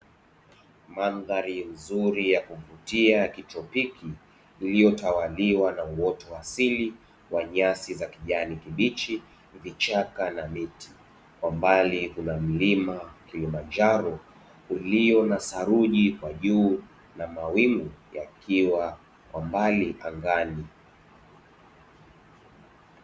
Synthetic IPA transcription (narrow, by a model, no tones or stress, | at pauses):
manðaɾim̩zuɾijakuvutiakitɔpikiː | lijɔtawaliwanauwɔtɔwasili | waɲasizakiʄanikiɓit͡ʃi | vit͡ʃakanamiti̥ | kwambaliɦunam̩limakilimand͡ʒaɾɔ | uliɔnasaɾuʄikwaʄuː | namawimujakʰiwa | wʔambaliʔaŋɡani